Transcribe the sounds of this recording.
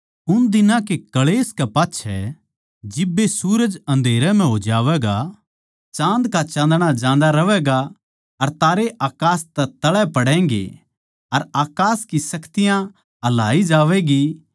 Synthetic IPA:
ʊnd̪ɪnãkekɐɭeːskɛpaːtːʃʰɛ̰ | d͡ʒɪbːesuːɾəd͡ʒɐ̃nd̪ʱeːɾɛm̤ɛ̃ɦoːd͡ʒaːʋɛːɡa | t͡ʃãːnd̪kat͡ʃãːnd̪ɽ̃ad͡ʒãːn̆d̪aɾɐʋɛːɡa | ɐɾt̪aːɾeʔaːkaːst̪ɛt̪ɐɭɛpɐɽɛ̃ːŋɡḛ | ɐɾaːkaːskisɐkt̪ɪjã | ɦɐlaːid͡ʒaːʋɛɡiː

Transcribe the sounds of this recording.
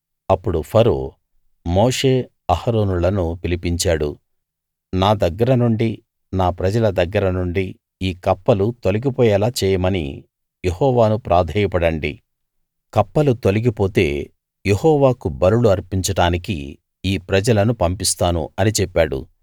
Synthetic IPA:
ɐpːuɽupʰɐɾo̰ː | moːʂe̞ː | ɐhɐɾo̞ːnulɐnupilipiɲt͡ʃaːɽṵ | naːd̪ɐɡːɐɾɐnuɳɖi | naːpɾɐd͡ʒɐlɐd̪ɐɡːɐɾɐnuɳɖi | iːkɐpːɐlut̪oliɡipɔːjɐlaːt͡ʃɛːjɐmɐnḭ | jehɔːʋaːnupɾʔaːd̪ʱɐjɐpɐɽɐɳɖḭ | kɐpːɐlut̪oliɡipo̞ːt̪e̞̰ː | je̞hɔːʋaːkubɐɾuluɐɾpiɲt͡ʃɐɽaːnikḭ | iːpɾɐd͡ʒɐlɐnupɐmpist̪aːnṵɐnit͡ʃɛpːaːɽṵ

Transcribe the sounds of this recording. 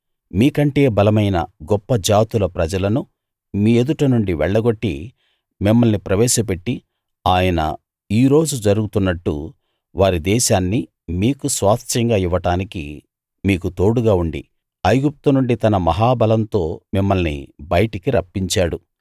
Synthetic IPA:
miːkɐɳʈe̞ːbɐlɐmɐjnɐ̰ɡɔpːɐd͡ʒaːt̪ulɐpɾɐd͡ʒɐlɐnu | miːe̞d̪uʈɐnuɳɖiʋɛɭːɐɡo̞ʈːḭ | mimːɐlnipɾɐʋɛːʃɐp̬e̞ʈːi | aːjɐnɐ̰ | iːɾo̞ːd͡ʒud͡ʒɐɾuɡut̪unːɐʈːṵ | ʋaːɾid̪ɛːʃaːnːi | miːkusʋaːst̪ʰɐŋɡaːiʋɐʈaːnikḭ | miːkut̪o̞ːɽuɡaːuɳɖḭ | ɐjɡup̚t̪unuɳɖit̪ɐnɐmɐɦaːbɐlɐnt̪o̞ːmimːɐlnḭbɐjʈikiɾɐpːiɲt͡ʃaːɽu

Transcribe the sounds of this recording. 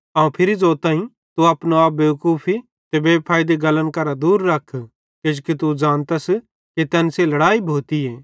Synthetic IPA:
ãːũpʰɪɾizoːt̪ãːĩ | t̪uɐːpnoaːp̚beːʋkuːpʰi | t̪ebeːpʰaːjd̪eɡɐlənkɐɾad̪uːɾːɐkʰː | ked͡ʒkit̪̬ud͡ʒaːnt̪ɐs | kit̪ɛːnselɐɽaːibʱoːt̪ieː

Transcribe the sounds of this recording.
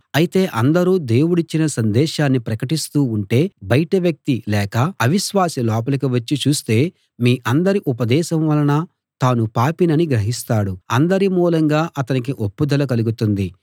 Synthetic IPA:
ɐjit̪e̞ːʔɐnd̪ɐɾuːd̪e̞ːwuɽit͡ʃːinɐsɐnd̪ɛːʃaːnːipɾɐkɐʈist̪uːɳʈe̞ːbɐjʈɐʋjɐk̚t̪ilɛːkɐɐʋiʃʋaːsilɔːp̬ɐlɐk̬iʋɐt͡ʃːit͡ʃuːst̪e̞ː | miːʔɐnd̪ɐɾiʔupɐd̪ɛːʃɐmʋɐlɐnɐ | t̪aːnupaːpinɐniɡɾɐɦist̪aːɽuɐnd̪ɐɾimuːlɐŋɡaːʔɐt̪ɐnik̬iʔopːud̪ɐlɐkɐluɡut̪und̪i

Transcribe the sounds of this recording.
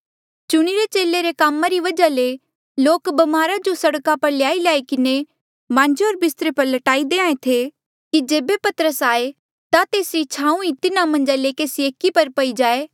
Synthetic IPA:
t͡ʃʊɽ̃iɾet͡ʃeːleɾekaːmaɾiʋɐd͡ʒale | loːkbɐmaːɾad͡ʒosɐɽkapɐɾlɪjaːiljaːikɪne | mãːɲd͡ʒeoːɾbɪst̪ɾepɐɾlɐʈaːid̪eːãːẽt̪ʰe | kid͡ʒeːbepɐt̪əɾəsaːe | t̪at̪eːsɾit͡ʃʰãːũit̪ɪnamɐ̃nd͡ʒaleːkeːsieːkipɐɾpɐid͡ʒaːeː

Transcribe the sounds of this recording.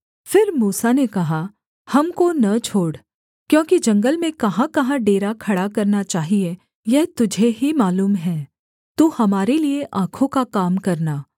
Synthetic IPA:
fɪɾmuːsanekɐɦa | hɐmkonɐt͡ʃʰoːɽ | kjõːkid͡ʒɐ̃ŋɡəlmẽkɐɦãkɐɦãɖeːɾakʰɐɽakɐɾnat͡ʃaːɦie | jɛɦt̪ʊd͡ʒʱeɦimaːluːmɦɛː | t̪uːhɐmaːɾelieʔãːkʰõkakaːmkɐɾnaː

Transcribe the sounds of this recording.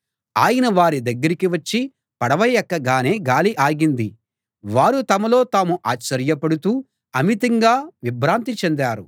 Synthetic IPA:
aːjɐnɐʋaːɾid̪ɐɡːɐɾikiʋɐt͡ʃːi | pɐɽɐʋɐjɐkːɐɡaːne̞ːɡaːliʔaːɡind̪i | ʋaːɾut̪ɐmɐlo̞ːt̪aːmuʔaːt͡ʃːɐɾjɐpɐɽut̪uː | ɐmit̪ɐŋɡaːʋibɾaːnt̪it͡ʃend̪aːɾu

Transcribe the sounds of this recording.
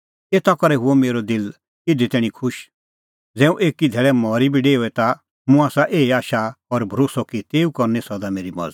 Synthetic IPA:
eːt̪akɔɾɛɦʊɔmeːɾɔd̪ɪl | ɪd̪it̪ɛːɽ̃ĩkʰʊʃ | d͡zɛ̃ːũʔeːkid̪ʱɛːɭɛmɔːɾibiɖeːɔɛt̪a | mũaːsaʔeːiaːʃaɔɾbʱɾoːsɔkit̪eːukɔɾnɛsɔd̪ameːɾimɐ̰d͡zt̪

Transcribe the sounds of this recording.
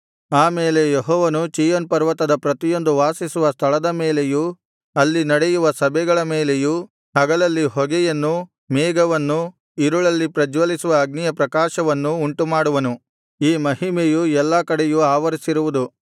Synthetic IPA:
aːmeːle̞jeɦɔːʋɐnut͡ʃijonpɐɾʋɐt̪ɐd̪ɐpɾɐt̪ijo̞nd̪uʋaːsisuʋɐst̪ʰɐɭɐd̪ɐmeːleju | ɐlːinɐɽejuʋɐsɐbʱɛɡɐɭɐmeːleju | ɦɐɡɐlɐlːiɦɔɡɛjɐnːu | mɛːɡɐʋɐnːu | iɾuɭɐlːipɾɐd͡ʒʋɐlisuʋɐːɡnijɐpɾɐkaːʃɐʋɐnːuːɳʈumaːɽuʋɐnu | iːmɐɦimejuɛlːɐkɐɽejuaːʋɐɾisiɾuʋud̪u

